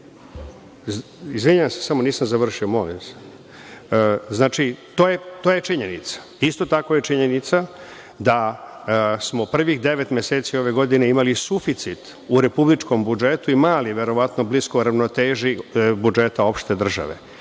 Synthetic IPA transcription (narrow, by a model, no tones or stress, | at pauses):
izʋiɲuʋamsesamo̞niːsamzaʋr̩ʃiomolḭmse̥ | znaːt͡ʃit̪ojet̪ojet͡ʃiɲenit̪sḁ | ist̪o̞t̪ako̞jet͡ʃiɲe̞nit̪sa | d̪a | smo̞pr̩ʋixd̪e̞ʋet̪mʲjeseːt̪sio̞ʋe̞ɡo̞d̪ineimalisufit̪sit̪ | uɾe̞publit͡ʃko̞mbud͡ʒet̪uimaːliʋe̞ɾo̞ʋat̪nobliskoɾaʋnot̪eːʒibud͡ʒe̞t̪ao̞pʃt̪e̞d̪r̩ʒa̰ʋḛ